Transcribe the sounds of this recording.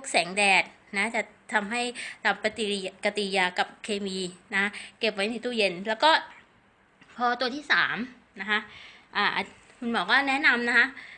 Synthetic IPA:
o˦˥˩k̚sɛː˩˦ŋdɛː˨˩t̪̚ | na˦˥t͡ɕa˨˩ʔt̪ʰa˧mɦa˥˩jt̪ʰa˧mpa˧t̪i˧ka˧t̪i˧jaː˧ka˨˩p̚kʰeː˧miː˧na˦˥kʰa˦˥ke˨˩p̚wa˦˥jna˧˥˩t̪uː˧˥˩je˧nlɛː˦˥wkɔː˥˩ | pʰɔː˧t̪u˧ət̪ʰiː˥˩saː˩˦m | na˦˥kʰa˦˥ʔʔaː˨˩ʔa˧˩ | kʰu˧nbɔː˨˩k̚waː˥˩nɛ˦˥na˧mna˦˥kʰa˦˥

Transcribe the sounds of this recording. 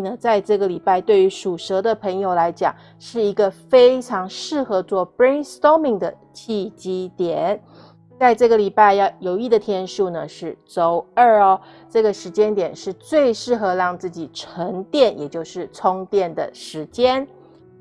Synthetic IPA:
nə˩t͡sa˥˧ɪʈ͡ʂɤ˥˩ɡə˩li˨˩pa˥˧ɪt̪we˥˩ɪy˧˥ʂu˨˩ʂɤ˧˥d̪ə˨pʰɤ˧˥ŋjo˨˩ʊla˧˥ɪt͡ɕjɑ̰˨˩˦ŋ | ʂɻ̩˥˩i˧˥ɡə˧fe˥ɪʈ͡ʂʰɑ˧˥ŋʂɻ̩˥˩xɤ˧˥t͡swɔ˥˩pɹi˥nst̪o˥mi˥˧ŋd̪ə˨˩ | t͡ɕʰi˥˧t͡ɕi˥t̪jɛ˨˩˦n | t͡sa˥˧ɪʈ͡ʂɤ˥˩ɡə˩li˨˩pa˥˩ɪjɑ˥˩jo˧˩ʊi˥˩d̪ə˩t̪ʰjɛ˥nʂu˥˩nə˩ʂɻ̩˥˩t͡so˧˥ʊə˥˩ɔ˩ | ʈ͡ʂɤ˥˩ɡə˩ʂɻ̩˧˥t͡ɕjɛ˥nt̪jɛ˨˩nʂɻ̩˥˧t͡swe˥˧ɪʂɻ̩˥˩xɤ˧˥lɑ˥˧ŋt͡sɹ̩˥˩t͡ɕi˨˩ʈ͡ʂʰə˧˥ŋt̪jɛ˥˩njɛ˨˩t͡ɕjo˥˧ʊʂɻ̩˥˩t͡sʰʊ˥ŋt̪jɛ˥˩nd̪ə̰˩ʂɻ̩˧˥t͡ɕjɛ˥n

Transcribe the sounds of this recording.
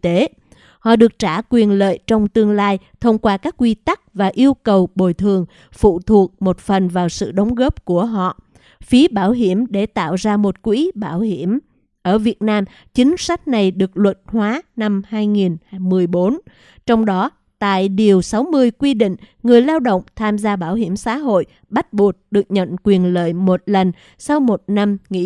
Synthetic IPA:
t̪e˨˦ | hɔ̰˧˨ɗɨ˨˩ək̚t͡ɕaː˧˩kwi˨˩ənlə̰ː˧˨jt͡ɕɔ˧wŋ͡mt̪ɨ˧əŋlaː˧jt̪ʰə˧wŋ͡mkwaː˧kaː˦˥kːwi˧t̪a˦˥k̚vaː˨˩ʔi˧əwkə˨˩wɓo˨˩jt̪ʰɨ˨˩əŋ | fṵ˧˨t̪ʰu˨˩ək̚mo˨˩t̚fə˨˩nvaː˨˩wsɨ̰˧˨ɗə˨˦wŋ͡mɣə˦˥p̚ku˧˩əɦɔ̰˧˨ | fi˨˦ɓaː˧˩wɦi˧˩əmɗe˧˩t̪a̰ː˧˨wzaː˧mo˨˩t̚kwi˨˦ɓaː˧˩whi˧˩əm | ʔəː˧˩vi˨˩ət̚naː˧m | t͡ɕï˨˦ŋ̟sa˦˥k̟̚na˨˩jɗɨ˨˩ək̚lwə˨˩t̚hwaː˨˦na˧mhaː˧jŋi˨˩nmɨ˨˩əjɓo˨˦n | t͡ɕɔ˧wŋ͡mɗɔ˨˦ | t̪a̰ː˧˨jɗi˨˩əwsa˨˦wmɨ˧əjkwi˧ɗḭ̈˧˨ŋ̟ŋɨ˨˩əjlaː˧wɗo̰˧˨wŋ͡mt̪ʰaː˧mzaː˧ɓaː˧˩wɦi˧˩əmsa̰ː˨˧˦ɦo̰˧˨j | ɓa˦˥t̚ɓu˨˩ət̚ɗɨ˨˩ək̚ɲə̰˧˨nkwi˨˩ənlə̰ː˧˨jmo˨˩t̚lə˨˩ŋ̟ | sa˧wmo˨˩t̚na˧mŋḭ˧˥

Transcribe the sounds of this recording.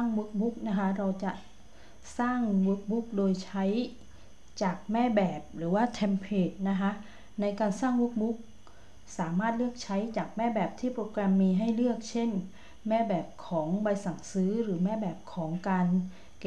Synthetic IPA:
ŋwɯ˦˥k̚bu˦˥k̚na˦˥kʰa˦˥ɾa˧wt͡ɕa˨˩ | saː˥˩ŋwɯ˦˥k̚bu˦˥k̚doː˧jt͡ɕʰa˦˥j | t͡ɕaː˨˩k̚mɛː˥˩bɛː˨˩p̚ɾɯː˩˦waː˥˩t̪ʰɛː˧mpʰeː˨˩t̪̚na˦˥kʰa˦˥ʔ | na˧jkaː˧nsaː˥˩ŋwuː˦˥k̚bu˦˥k̚ | saː˩˦maː˥˩t̪̚lɯ˥˩ək̚t͡ɕʰa˦˥jt͡ɕaː˨˩k̚mɛː˥˩bɛː˨˩p̚t̪ʰiː˥˩pɾoː˧kɾɛ˧mːiː˧ɦa˥˩jlɯ˥˩ək̚t͡ɕʰe˥˩n | mɛː˥˩bɛː˨˩p̚kʰɔː˩˦ŋba˧jsa˨˩ŋsɯː˦˥ɾɯː˩˦mɛː˥˩bɛː˨˩p̚kʰɔː˩˦ŋkaː˧n | k

